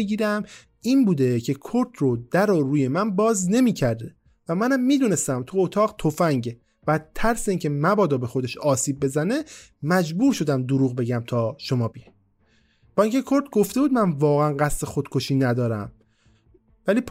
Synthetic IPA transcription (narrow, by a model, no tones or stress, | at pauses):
ɡiːɾæm | iːnbuːd̪e̞cʰe̞kʰoɾt̪ʰrod̪̥æɾoɾuːje̞mænbɒːzne̞miːcʰæɾd̪e | væmænæmːiːd̪uːne̞st̪æmt̪ʰuot̪ʰɒːɣt̪ʰo̞fæŋɟe | væt̪ʰːæɾseiːŋcʰe̞mæbɒːd̪ɒːbe̞xod̪e̞ʃɒːsiːb̚ːe̞zæne̞ | mæd͡ʒbuːɾʃo̞d̪æmd̪oɾuːɣbe̞ɟæmt̪ʰɒːʃo̞mɒːbij | b̥ɒːĩŋcʲʰe̞kʰo̞ɾt̪̚ʰɡo̞ft̪e̞buːd̪mænvɒːɣeænɢæst̪e̞xod̪̥kʰo̞ʃiːnæd̪ɒːɾæ̰m | væliːp